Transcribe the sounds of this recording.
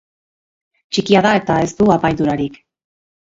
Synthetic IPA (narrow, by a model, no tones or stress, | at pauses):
t͡ʃikiaðae̞t̪ae̞st̪uapajðuɾaɾik